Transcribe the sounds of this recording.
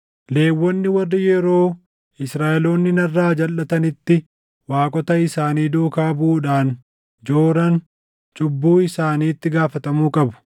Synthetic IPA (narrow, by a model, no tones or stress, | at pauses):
le̞ːwːɔnːɪwɐrːɪjɛɾo̞ː | ɪsɾaːʔɛloːnːɪnɐrːaːd͡ʒɐlːɐt̪ɐnɪt̪ːɪ | waːkʼɔt̪ɐɪsaːniːd̪oːkaːbʊʔuːᶑaːn | d͡ʒo̞ːɾɐn | t͡ʃʼʊbːuːɪsaːniːt̪ːɪɡaːfɐt̪ɐmuːkʼɐbʊ̥